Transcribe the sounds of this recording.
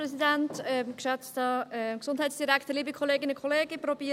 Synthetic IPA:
ɾɛsidɛntɛmkʃɛt͡stɑɛksʊnd̥haɪtsd̥iɾɛktəliːbəkʰɔleːɡɪnəkʰoleːɡəprɔbiːə

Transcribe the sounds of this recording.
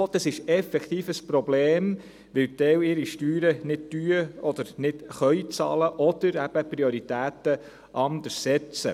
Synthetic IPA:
od̥̪ɑsɪʃɛfɛkt̪iːfəspɾɔbleːm | ʋɪwt̪ɛwɪɾiʃtyːɾənɪd̚tyːəɔd̪əɾnɪdχœʏt͡sɑ̰ːləʔɔd̪̥əɾæb̥əpɾioɾit̪æːtə | ʔɑnd̪əssɛt͡sə̰

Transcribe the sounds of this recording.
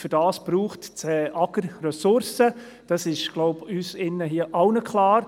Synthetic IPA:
fʏdɑːsb̥ɾuːχtt͡sɛʔɑɡəɾrɛsʊɾsə | d̥ɑsɪʃɡ̥loʊbyːsɪnːəɦiəʔɑwnəkʰlɑːɾ

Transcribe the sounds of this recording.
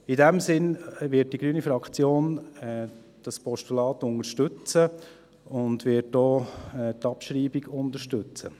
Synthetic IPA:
idɛmsɪnʋɪt̚d̥iɡɾyːnifɾɑkχt͡sjoːn | d̥ɑspɔʃtulɑːt̪ʊŋəɾʃtʏt͡sə | ʊndʋɪt̚dɔːtɑpʃɾiːbiɡʊndəɾʃtɵt͡sə

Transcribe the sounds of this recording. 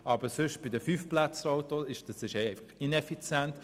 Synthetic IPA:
ɑbəsʏʃb̥ɪd̪əfyfplæt͡sɾoʊt̪oɪʃd̥ɑsɪʃɛɛɪfɑχinɛfit͡sjɛnt̪

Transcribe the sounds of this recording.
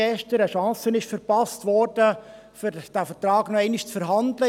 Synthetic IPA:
ɛʃtəɾəʃɑ̃ːsənɪʃfəɾpɑstʋɔɾd̥ə | fyd̥æfəɾtɾɑːɡnɔɛɪnɪʃt͡sfəɾɦɑnd̪lə

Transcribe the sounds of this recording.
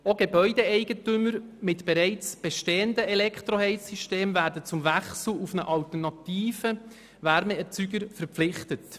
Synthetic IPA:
oɡ̥ebœʏdeɛɪɡətʏmːəɾmɪtb̥ɛɾɛɪt͡sb̥ɛʃteːəndəɛlɛkχt̪ɾohɛɪsyʃteːmvæːɾdət͡sʊmvæχsl̩ufnəʔɑltərnɑtiːfə | væɾmɛɛt͡syɡəɾfəɾpp͡flɪχtət

